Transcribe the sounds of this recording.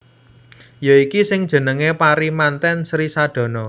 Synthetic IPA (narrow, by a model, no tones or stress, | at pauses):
joikisɪŋd̥ʒ̥ə̤nəŋepaɾimant̪ɛnsɾisad̪̥ɔ̤nɔ